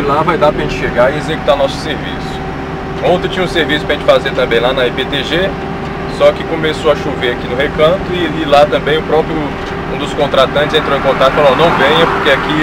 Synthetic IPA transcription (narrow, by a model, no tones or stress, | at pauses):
lavajd̪apɾɐʒẽt͡ʃɪʃeɡaiezeku̥t̪aɾnɔsʊ̥seɾvḭsʊ̥ | õt̪ɾɪ̃t͡ʃĩɲɐũseɾvisʊ̥pɾɐʒẽt͡ʃɪ̥fazet̪ɐ̃mbẽj̃lanɐipet̪eʒe | sɔkɪkõmesoɐʃoveakinʊɦekɐ̃t̪ʊɪalilat̪ɐ̃mbẽj̃ʊpɾɔpɾjʊ | ũd̪ʊskõt̪ɾat̪zɐ̃t͡ʃɪzẽnt̪ɾoẽkõnt̪akt̪ʊfalonɐ̃w̃vẽɲɐpoɾkeaki